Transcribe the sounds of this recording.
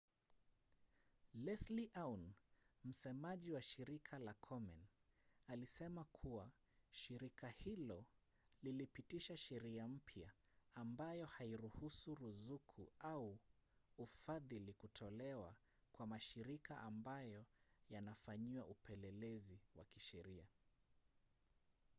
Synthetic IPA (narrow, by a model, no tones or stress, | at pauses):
lɛsliʔawnm̩sɛmaʄiwaʃiɾikʰalakʰɔmɛnalisɛmakʰuwa | ʃiɾikahilɔ | lilipitiʃaʃɛɾiam̩pʰjaː | mbajɔhaiɾuhusuɾuzukʰuau | ufaðilikutʰɔlɛwa | kwamaʃiɾikʰaʔambajɔjanafaɲiwaʔupɛlɛlɛziwakiʃɛɾia